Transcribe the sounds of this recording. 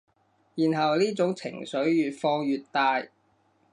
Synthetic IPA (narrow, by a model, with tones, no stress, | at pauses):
jiː˨˩nɦɐ˨wliː˥t͡sʊ˨˥ŋt͡sʰɪ̰˨˩ŋsɵ˨˥ɥjyː˨t̚fɔː˧ŋjyː˨t̚t̪aː˧j